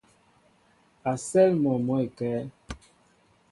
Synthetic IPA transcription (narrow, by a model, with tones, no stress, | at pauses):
a˨sɛ˦lmɔ˨mɔ˨˦e˨kɛː˨˦